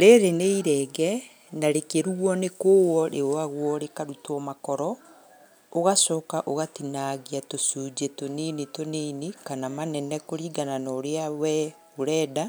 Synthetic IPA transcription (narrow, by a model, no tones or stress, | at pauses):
ɾeɾeneiɾɛɡɛ | naɾekeɾuwɔnekoːwɔɾeoaɣwɔɾekaɾutɔmakɔɾɔ | oɣasɔːkaʔoɣatinaɣiatosuːd͡ʒetonenitonenekanamanɛnɛkoɾiːɡananɔːɾeawɛ | oɾɛːda